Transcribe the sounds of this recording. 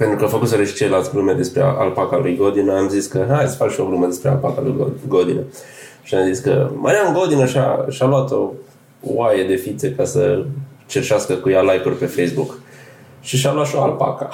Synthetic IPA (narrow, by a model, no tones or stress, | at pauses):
pent̪ɾukəafəkut̪seɾeʃi̥t͡ʃelelalt̪ʲblumed̪e̞spɾe̞̰a̰lpakalujɡod̪inəamziskəɦaj̪sfakʃio̞blumed̪e̞spɾea̰lpa̰kalṵjɡoɡod̪inə | ʃiamziskə̰mʔa̰ɾiamŋɡo̞d̪inəʃia̰ʃalwat̪o̞ | wajed̪e̞fit̪se̞kasə̰ | t͡ʃerʃaskəkujalajkurʲpe̞fejsbuk | ʃiʃalwat̪ʃioalpa̰kə̥